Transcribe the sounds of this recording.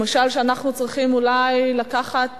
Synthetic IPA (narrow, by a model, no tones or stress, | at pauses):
maʃalʃeanaχnut͡sʁiχimulajlakaχat̪